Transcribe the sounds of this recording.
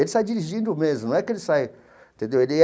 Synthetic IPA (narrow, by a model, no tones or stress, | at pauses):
elɪsajd͡ʒiɾiʒĩnd̪ʊmezmʊnɐ̃w̃ɛkɪelɪsaj | ẽnt̪ẽnd̪ewelɪ